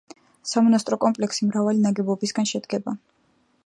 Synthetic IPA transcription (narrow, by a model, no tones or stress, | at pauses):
samɔnast̪ʼɾɔkʼɔmpʼlɛksimɾavalinaɡɛbɔbisɡanʃɛd̪ɡɛba